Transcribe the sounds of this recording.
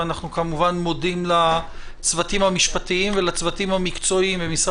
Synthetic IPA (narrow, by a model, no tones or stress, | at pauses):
anaχnukamuvanmo̞dimlat͡svatimhamiʃpatiimvelat͡svatimhamikt͡so̞imbemisʁ